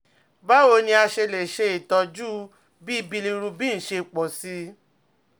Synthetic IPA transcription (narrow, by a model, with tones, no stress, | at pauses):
ba˦o˨˧˦nĩ˧a˧ʃe˧le˨ʃe˧i˨tɔ˧d͡ʒu˦ | bi˦i˦bi˧li˧ɾu˧bi˦ñ̩˨ʃe˧˨k͡pɔ˨si˧˦